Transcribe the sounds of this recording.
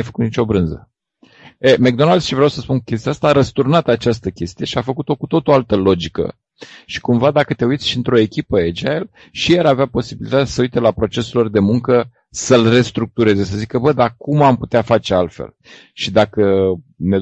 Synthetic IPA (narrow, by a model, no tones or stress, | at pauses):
jfə̥kut̪nit͡ʃo̞bɾɨnzə̰ | emek̚d̪o̞nald̪ʃivɾeawsəspunkukʲe̞st̪iast̪aːɾəst̪urnat̪at͡ʃast̪əkʲe̞st̪ije̞ʃiafəkut̪o̞kut̪o̞t̪oalt̪əlo̞d͡ʒikə̰ | ʃi̥kumvad̪akət̪e̞ujt̪sʲʃiɨnt̪ɾo̞e̞kʲipəed͡ʒael | ʃijaɾaveapo̞sibilit̪at̪asəujt̪e̞lapɾo̞t͡ʃe̞selo̞rd̪e̞muŋkə | səlre̞st̪ɾuk̚t̪uɾe̞ze̞s̬əzikəbəd̪akumamput̪eafat͡ʃe̞alt̪fḛl | ʃid̪akəne